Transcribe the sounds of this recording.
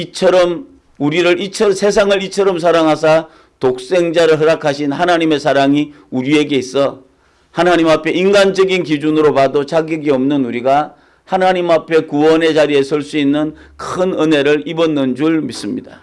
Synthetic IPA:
it͡ɕʰʌɾʌm | uɾiɾɯɾit͡ɕʰʌsʰe̞s̬ʰaŋɯɾit͡ɕʰʌɾʌms̬ʰaɾaŋɦasʰa | tok̚s͈e̞ŋd͡ʑaɾɯɭɦɯɾakʰaɕʰinhanaɲime̞sʰaɾaŋi | uɾie̞ɡe̞is͈ʌ | hanaɲimapʰe̞inɡand͡ʑʌɡinkid͡ʑunɯɾopadot͡ɕaɡiɡiʌmnɯnuɾiɡa | hanaɲimapʰe̞kuwʌne̞t͡ɕaɾie̞sʰʌɭs͈uinːɯnkʰɯnɯne̞ɾɯɭibʌnːɯnd͡ʑuɭmis͈ɯmɲid̥a

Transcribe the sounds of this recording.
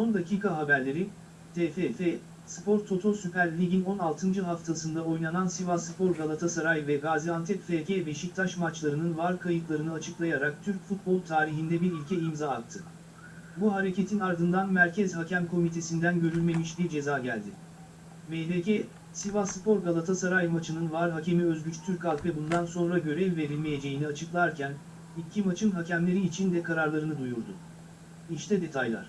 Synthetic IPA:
so̞nd̪acʰiːkʰaɦabæɾlʲe̞ɾi | t̪ʰefefɛ | spʰo̞ɾt̪ʰo̞t̪ʰo̞sypʰæɾlʲiɟino̞nalˠt̪ʰɯnd͡ʒɯɦaft̪ʰasɯnd̪ao̞jnanansivasɯpʰo̞ɾɡalˠat̪ʰasaɾajvɛɡaːziant̪ʰɛkfeɟebe̞ʃic̚t̪ʰaʃmat͡ʃlˠaɾɯnɯnvaɾkʰajɯk̪lˠaɾɯnɯat͡ʃʰɯklˠajaɾak̚t̪ʰyɾc̚fut̪̚bo̞lˠt̪ʰaːɾiɦind̪ɛbiɾilʲcʰɛimzaːk̚t̪ʰɯ | buɦaɾe̞ce̞t̪ʰinaɾd̪ɯnd̪anmæɾcʰɛzɦacʰæmkʰo̞mit̪ʰe̞sind̪ænɟø̞ɾylʲme̞miʃd̪ʲid͡ʒe̞zaːɟælʲd̪ɪ | velecʰɛ | sivasɯpʰo̞ɾɡalˠat̪ʰasaɾajmat͡ʃʰɯnɯnvaɾɦace̞miø̞zɟyt͡ʃt̪ʰyɾcalˠkɛbund̪anso̞nɾaɟø̞ɾɛvːe̞ɾilʲme̞je̞d͡ʒe̞jiniat͡ʃʰɯklˠaɾcʰæn | icʰːimat͡ʃʰɯnɦacʰæmlʲe̞ɾiːt͡ʃʰind̪ɛkʰaɾaɾlˠaɾɯnɯd̪ujuɾd̪ʊ̰ | iʃt̪ʰɛd̪e̞t̪ʰajlˠa̰ɾ̥

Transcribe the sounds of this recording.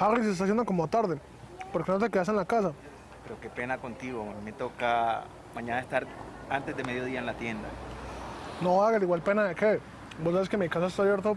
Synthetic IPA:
aris̬est̪as̬jend̪oko̞mot̪aɾðe | po̞ɾkenot̪e̞ke̞ðas̬e̞nlakas̬a | pe̞ɾoke̞pe̞nako̞nt̪iɣoamime̞t̪o̞ka | mãɲanaest̪aɾant̪e̞zd̪emeðjo̞ðiaenlat̪je̞nd̪a̰ | noaɣaliɣwalpe̞naðeke | bos̬aβeskemikas̬aest̪aajeɾt̪o

